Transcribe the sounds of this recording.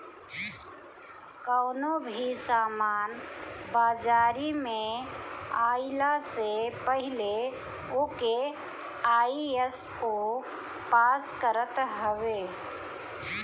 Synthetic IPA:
kɔːnobʱisaːmaːnbaːd͡ʒaːɾimẽ | aːilasepəɦɪle | oːke | aːies | oː | paːskəɾət̪ɦəʋeː

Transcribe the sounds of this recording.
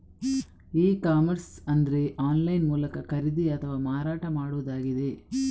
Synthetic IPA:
iːkaːmɐɾsɐnd̪ɐɾe̞ʔaːnlɐjnmuːlɐkɐkɐɾid̪iɐt̪ʰɐʋaːmaːɾaːʈɐmaːɽuʋɐd̪aːɡid̪e̞

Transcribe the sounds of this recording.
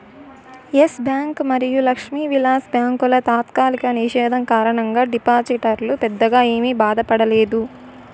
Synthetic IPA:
jesbjaːŋkmɐɾijulɐkʂmiːʋilaːsbjaːŋkulɐt̪aːt̪kaːlikɐniʂɛːd̪ʱɐŋkaːɾɐɳɐŋɡaːɖipaːsiʈɐɾlupɛd̪ːɐɡaːe̞ːmibaːd̪ɐpɐɽɐleːd̪u

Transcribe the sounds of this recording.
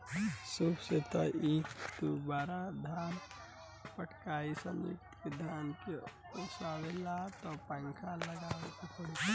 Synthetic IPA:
subset̪aikd̪ubaːɾad̪ʱaːn | pəʈʰkaːisənḭkt̪kid̪ʱaːnke | oːsaʋelat̪ɔpəŋkʰaləɡaːʋekekʰəɽi

